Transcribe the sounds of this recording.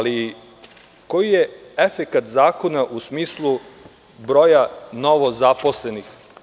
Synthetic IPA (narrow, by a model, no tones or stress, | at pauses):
ali | kojijeefekat̪zaːko̞naʔusmiːslˠu | bɾo̞janoʋo̞zapo̞slenix